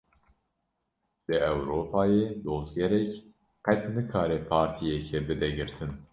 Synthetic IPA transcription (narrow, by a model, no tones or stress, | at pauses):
d̪̥ɨɛwɾoːpʰɑːjeːd̪oːzɡɛɾɛk | qɛt̪nɨkʰɑːɾɛpʰɑːɾt̪ʰijɛkʰɛbɨd̪ɛɡɨɾt̪ʰɨn